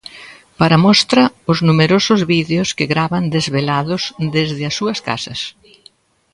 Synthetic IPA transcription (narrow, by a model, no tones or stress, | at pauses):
paɾɐmɔst̪ɾɐʊznumeɾosʊzβiðeʊskɪɣɾaβɐnd̪ezβelaðʊzd̪ezðɪɐsuɐska̰sɐs